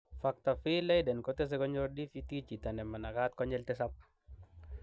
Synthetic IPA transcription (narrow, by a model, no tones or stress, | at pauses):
fak̚t̪afilajdɛnkɔt̪ɛs̬ɛkɔɲɔɾdifit̪it͡ʃit̪anɛmanakat̪̚kɔɲɛlt̪ɛsap̚